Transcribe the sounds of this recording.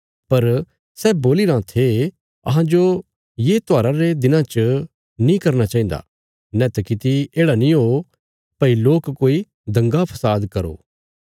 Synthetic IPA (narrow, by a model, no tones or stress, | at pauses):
pɐɾ | sɛːboːliɾãt̪ʰe | ɐ̰ɦãd͡ʒo | jeːt̪oaːɾaɾed̪ɪnãt͡ʃə | nĩkɐɾnat͡ʃaːĩn̆d̪a̰ | nɛt̪ɐkɪt̪ieːɽanĩɦo | pɐiloːkkoːi | d̪ɐ̃ŋɡapʰɐsaːd̪kɐɾo̰ː